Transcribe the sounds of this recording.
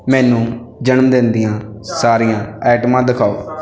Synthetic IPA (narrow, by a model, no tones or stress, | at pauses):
mɛːnũː | d͡ʒənəmd̪eːnd̪ijãː | saːɾijãːɛːʈmãːd̪ɪkʰaːo̰ː